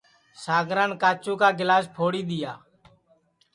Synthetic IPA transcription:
saːɡɾãːnkaːt͡ʃũːkaːɡɪlaːspʰoːɽiːɗ̪ɪjaː

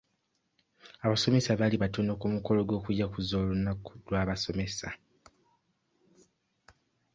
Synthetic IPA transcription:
aβaso̞me̞saβaliβatono̞kumuko̞lo̞ɡo̞ːkujakuzoːlunːakudwaːβaso̞me̞sa

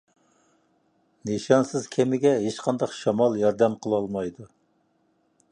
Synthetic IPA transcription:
neʃɑnsɪz̥kʲʰemɪɡʲɛɦet͡ʃqʰɑnd̪ɑqʃɑmɑlˠjɑɾd̪ɛmqʰəlˠɑlˠmɑjd̪u

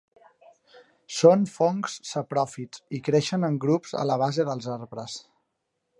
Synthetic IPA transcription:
sonfoŋkssəpɾɔfit͡sikɾeʃənəŋɡɾupzə̰ləβ̞azeðəlˠzaɾβɾəs

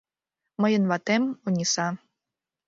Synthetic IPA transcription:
məjənβɑt̪emunʲisɑ

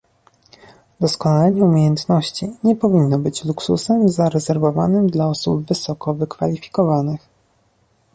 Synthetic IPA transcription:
d̪ɔskɔnalɛɲɛumʲjejɛnt̪nɔɕt͡ɕiɲɛpɔvʲinːɔbɘt͡ɕluksusɛmzaɾɛzɛɾvɔva̰nɘmd̪laɔsubvɘsɔkɔvɘkfa̰lʲifʲi̥kɔvanɘx

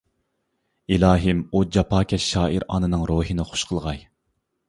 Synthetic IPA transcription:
ilɑːɦɨmud͡ʒɑpʰɑːkʲʰɛʃɑːiɾɑ̰ːnɨnɨŋɾoːɦɨnɨχʊ̥ʃqʰəlˠʁɑj

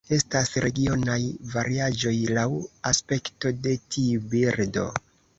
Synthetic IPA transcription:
e̞stasɾe̞ɡio̞najvaɾiad͡ʒo̞jlawaspe̞kto̞de̞tiubiɾdo̞̰

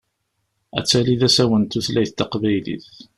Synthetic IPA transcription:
æ̰t͡sːæliðæsæwənt̪uθlæjθt̪ːɑqvæjlḭθ

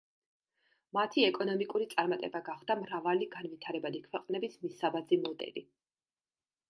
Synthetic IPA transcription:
mat̪ʰiɛkʼɔnɔmikʼuɾit̪sʼaɾmat̪ʼɛbaɡaχvd̪amɾavaliɡanvit̪ʰaɾɛbad̪ikʰwɛqʼnɛbismisabad̪zimɔd̪ʼɛ̰li

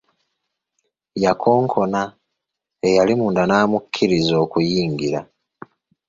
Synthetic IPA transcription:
jakʰo̞ːŋkʰo̞na | ejalimuːndanaːmukʰːiɾizo̞ːkujiːŋɡiɾa̰

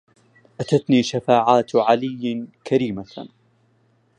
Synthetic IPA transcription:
ʔat̪at̪niːʃafaːʕaːt̪ʕalɪjːkʰaɾiːma

